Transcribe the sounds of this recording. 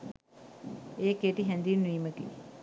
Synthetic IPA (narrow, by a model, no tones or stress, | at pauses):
eːkeʈiɦɛnd̪inːuiːməkḭ